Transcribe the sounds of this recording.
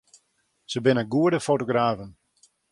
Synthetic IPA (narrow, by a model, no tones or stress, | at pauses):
səbɪnəɡuədəfotoɡraːvən